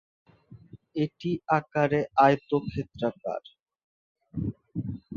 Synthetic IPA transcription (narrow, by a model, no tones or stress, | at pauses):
eʈiakaɾeajt̪okʰet̪ːɾaka̰ɾ